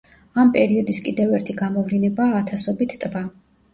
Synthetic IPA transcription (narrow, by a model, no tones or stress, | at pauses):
ampʼɛɾiɔd̪iskʼid̪ɛvɛɾt̪ʰiɡamɔvɾinɛbaːt̪ʰasɔbit̪ʰt̪ʼva